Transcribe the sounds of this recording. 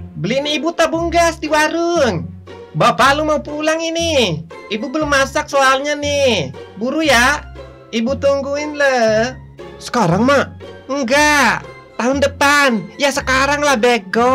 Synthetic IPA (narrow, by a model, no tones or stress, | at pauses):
bəliniibut̪abuŋɡasdiwaɾuŋ | bapalumaupulaŋini | ibubəlumːasak̚soalɲanihbuɾuja | ibut̪uŋɡuinlə | sə̥kaɾaŋmaŋɡa | t̪aɦʊndəpanjasəkaɾaŋlahbeɡɔ